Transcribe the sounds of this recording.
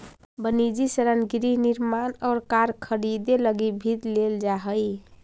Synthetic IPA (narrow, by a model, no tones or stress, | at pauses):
bənid͡ʒisəɾənɡiɾiɦniɾmanɔːɾkaɾkʰəɽid̪eləɡibʱid̪leld͡ʒaɦəj